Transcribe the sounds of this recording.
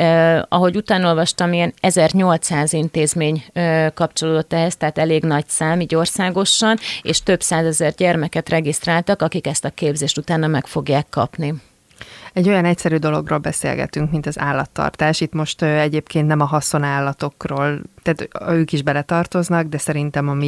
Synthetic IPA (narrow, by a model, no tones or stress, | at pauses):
ɒ̰ɦo̞ɟut̪aːno̞lvɒʃt̪ɒmiɛnɛzɛrɲo̞lt̪saːzint̪eːzmeːɲkɒp̚t͡ʃo̞loːd̪o̞t̪ːɛɦɛst̪ɛɦːt̪ɛleːɡnɒcsaːmiːɟo̞rsaːɡo̞ʃɒnḛːʃt̪ø̞bsaːzɛzɛrɟɛrmɛkɛt̪rɛɡist̪raːlt̪ɒkɒkikɛst̪ɒkeːbzeːʃt̪ut̪aːnːɒmɛkfo̞ɡjaːkːɒ̰pni | ɛɟːo̞jɒnɛcsɛɾyːd̪o̞lo̞ɡro̰ːlbɛsḛːlɡɛ̰t̪yŋkmint̪ɒza̰ːlːɒt̪ːɒ̰rt̪aːʃit̪mo̞ʃt̪ɛɟeːpkʰeːnt̪nɛmɒɦɒso̞naːlːɒt̪o̞kroːlt̪aːt̪øːkiʒbɛlɛt̪ɒrt̪o̞znɒɡd̪ɛsɛɾint̪ɛmɒmi